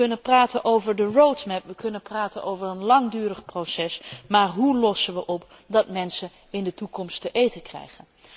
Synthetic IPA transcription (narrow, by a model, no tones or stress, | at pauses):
ɵnənpraːtənʔowvəɹdərowtmɛpʋəkɵnənpraːtənʔowvərənlɑŋdyːrəχprosɛsmaːɹɦulɔsənʋəʔɔp | dɑtmɛnsə | ɪndətukɔmstəʔejtəkrɛ̰jχən